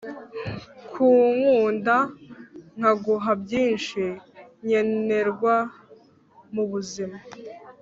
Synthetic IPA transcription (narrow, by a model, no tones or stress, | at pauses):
kʰuːŋuːnda | ŋ̥haɡuɦabɟiːnʃiɲe̞ne̞ɾɡwa | muβuzima